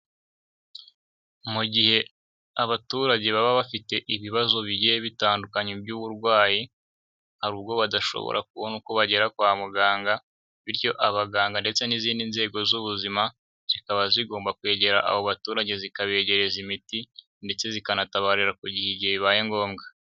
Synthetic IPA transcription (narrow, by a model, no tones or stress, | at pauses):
muɟihe̞ | aβatuːɾaɟe̞βaβaβafite̞ʔiβiβazo̞βiɟijeβitaːndukaɲebjuːβuɾɡwaːji | haɾuːbɡo̞βadaʃo̰βo̰ɾa̰k̚uβonuko̞βaɟe̞ɾakwaːmuɡaːŋɡa | βiɾjo̞ʔaβaɡaːŋɡande̞t͡se̞niziːndinze̞ːɡo̞zuβuzima | z̥ikaβaziɡo̞ːmbakwe̞ːɟe̞ɾa̰ʔa̰βoβatuːɾaɟe̞zikaβe̞ːɟe̞ɾe̞zimiti | nde̞t͡se̞zikanataβaɾiɾakuɟiheɟiheβiβaje̞ŋɡo̞ːmɡa